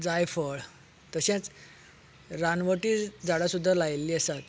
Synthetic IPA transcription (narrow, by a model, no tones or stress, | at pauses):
d͡zajfəɭ | t̪əɕɛ̃t͡s | ɾanʋəʈiːd͡zaɽasud̪ʱːalajlːiːəsat̪